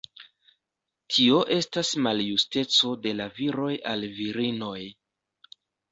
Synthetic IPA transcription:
tʰio̞ʔe̞stasmaljuste̞t͡so̞de̞laviɾo̞jalviɾino̞j

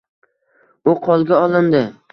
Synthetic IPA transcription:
ʊqʰɒlˠɡʲaɒlˠɪnd̪ɪ

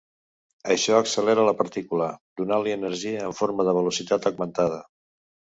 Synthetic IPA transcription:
əʃɔəksəlɛɾələpəɾt̪ikuləd̪unaliənəɾʒiəːɱfoɾməðəβ̞əlusit̪at̪əɡmənt̪að̞ə

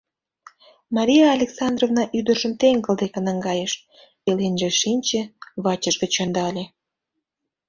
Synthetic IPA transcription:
mɑɾʲijɑːlʲeksɑnd̪rovnɑʔyd̪ərʒə̆mt̪eŋɡəld̪ekenɑŋɡɑjeʃ | elenʒeʃinʲt͡ɕĕβɑt͡ɕəʃɡə̆t͡ɕond̪ɑlʲe

